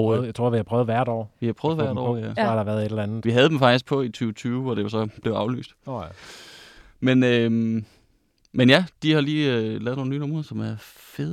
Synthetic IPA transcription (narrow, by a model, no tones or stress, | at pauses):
jaɪt͡sʰʁo̝ɐ̰ʋihɑpʰʁœːʊð̩ˠʋæɐ̰ɾɒ̰ːʋihɑ̈pʰœːð̩ˠɐ̰ɾɒ̰æɑɾ̥ɑ̈ʋæɐðˠed̥lnð̩ˠʋiɦæðˠd̥emfɑ̈ɡ̥d̥isɡ̥pʰɒ̽it͡sʰyːʊt͡sʰyːʊɒd̥e̝ʋɑsɒ̽b̥le̝ʊɑ̈ʊly̰ːsd̥ | menøm | menjæd̥ihɑ̈liːølɛːð̩ˠnoːnyːnɔmʁɐsɒ̽mæɐ | feðˠ